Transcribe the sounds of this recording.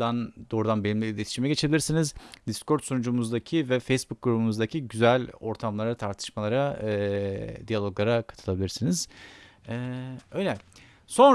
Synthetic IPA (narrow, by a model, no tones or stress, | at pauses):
d̪and̪o̞ːɾud̪anbelʲimʲibid̪ʲet̪ʰiʃimɛɟe̞t͡ʃʰe̞bilʲiɾsinizd̪isko̞ɾt̪sonud͡ʒumuzd̪acʰivɛfejsbuk̚ːɡuɾubumuzd̪acʰiɟyzælʲo̞ɾt̪ʰamlˠaɾat̪ʰaɾt̪ʰɯ̥ʃmalˠaɾa | d̪ijalʲˠo̞ɡlˠaɾakʰat̪ʰɯlˠabilʲiɾsiniz̥ɛøjlʲɛ | so̞n